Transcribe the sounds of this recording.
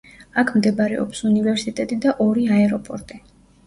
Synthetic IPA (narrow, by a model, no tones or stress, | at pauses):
akʰmd̪ɛbaɾɛɔ̰psunivɛɾsit̪ʼɛt̪ʼid̪aʔɔɾiaɛɾɔpʼɔɾt̪ʼi